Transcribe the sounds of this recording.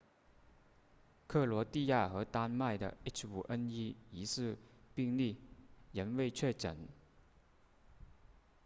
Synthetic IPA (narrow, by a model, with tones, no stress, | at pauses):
kʰɤ˥˩lwɔ˧˥t̪i˥˧ja˥˩xɤ˧˥t̪a˥nma˥˩ɪd̪ə̰˩i˥t͡ʃʰu˨˩ʔə˥ni˥i˧˥sɹ̩˥˧pi˥˧ŋli˥˩jə˧˥nwe˥˧ɪt͡ɕʰɥɛ˥˩ʈ͡ʂə̰˨˩˦n